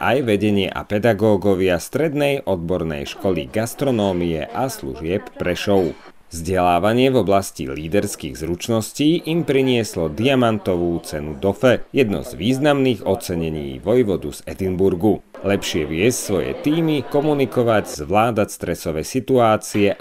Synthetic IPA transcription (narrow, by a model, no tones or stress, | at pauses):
ʔajʋɛɟɛɲɪɛ̰ʔa̰pɛd̪aɡɔːɡɔʋɪast̪ɾɛd̪nɛjʔɔd̪̚bɔɾnɛ̰jʃkɔlḭɡast̪ɾɔnɔːmiɛ̰ʔaslṵʒɪɛpːɾɛʃɔʊ | vzɟɛlaːʋaɲɪɛvɔblascḭliːd̪ɛɾskḭːɣzɾut͡ʃnɔsciːʔimpɾiɲɪɛslɔd̪iamant̪ɔʋuːt͡sɛnud̪ɔfɛjɛd̪nɔ̰zʋiːznamniːɣɔt͡sɛɲɛɲḭːʋɔjʋɔd̪ṵzɛd̪imbuɾɡu | lɛpʃɪɛʋɪɛscsʋɔjɛ̰t̪iːmikɔmunikɔʋaɟz̥ʋlaːd̪acst̪ɾɛsɔʋɛsit̪uaːt͡siɛ